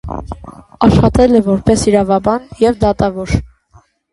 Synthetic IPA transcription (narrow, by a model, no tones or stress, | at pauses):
ɑʃχɑt̪ɛlɛvɔɾpɛsiɾɑvɑbɑnjɛvd̪ɑt̪ɑvɔɾ